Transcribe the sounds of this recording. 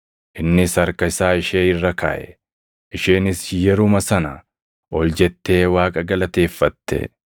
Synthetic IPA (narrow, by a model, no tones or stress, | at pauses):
ʔɪnːɪsɐɾkɐɪsaːɪʃeːɪrːɐkʰa̰ːʔɛ̰ | ʔɪʃeːnɪsjɛɾʊmɐsɐnɐ | ʔɔld͡ʒɛt̪ːe̞ːwaːkʼɐɡɐlɐt̪e̞ːfːɐt̪ːɛ̰